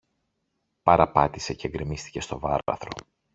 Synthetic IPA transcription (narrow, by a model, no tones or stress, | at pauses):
pɐɾɐpɐt̪ise̞ceɡɾimist̪i̥ce̞st̪o̞vɐɾɐ̰θɾo̞